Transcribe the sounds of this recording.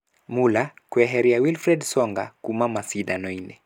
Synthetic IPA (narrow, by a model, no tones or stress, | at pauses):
mulakwɛɦɛɾiawilfɾɛdsɔŋɡakumamasiɗanɔinɛ